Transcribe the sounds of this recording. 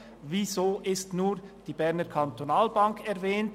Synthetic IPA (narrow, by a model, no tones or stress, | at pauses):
vizoːʔɪstnuːd̥iːbɛɐnəkʰantonaːlbaŋkʰɛʁvɛːnt